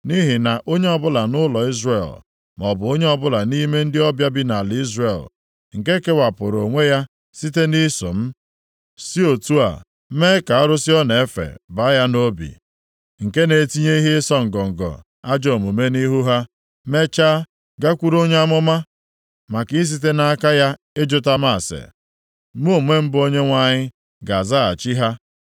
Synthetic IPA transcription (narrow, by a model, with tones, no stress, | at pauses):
ni˦ɦi˨na˨ʔo˦ɲe˦ɔ˨bʊ˦la˨nʊ˦lɔ˨i˦zre˨l | mɔ˨bʊ˨o˦ɲe˦ɔ˦bʊ˦la˨ni˦me˦n̩˦dɪ˦ɔ˦bja˦bi˦na˨li˦zre˨l | ŋ̩˨ke˦ke˦wa˨pʊ˨ɾo˨ŋʷe˦ja˦ | si˦te˦ni˦so̰˨m̩˦ | si˦o˨tu˦a̰˨˦ | me˦ka˨ɔ˦ɾʊ˦sɪ˦ɔ˦ne˨e˦fḛ˨ba˦ja˦no˦bḭ˨ | ŋ̩˨ke˦ne˨ti˦ɲe˦i˦ɦe˦sɔ˦ŋ̩˨ɡɔ˨ŋ̩˨ɡɔ̰˨ | a˦d͡ʒɔ˨mu˨me˦ni˦ɦu˦ɦa˦ | me˦t͡ʃa˦ | ɡa˦kʷu˦ɾo˦ɲe˦a˦mʊ˦ma˦ | ma˨ki˦s̬i˦t̬e˦na˦a˦ka˦ja˦ | ɪ˦d͡ʒʊ˦ta˦m˦a˦˨sḛ˨˦ | m˦o˦˨me˦m̩˦bo˦ɲe˦ŋʷa˦ɲɪ˦ | ɡa˨za˦a˨t͡ʃi˦ɦa˦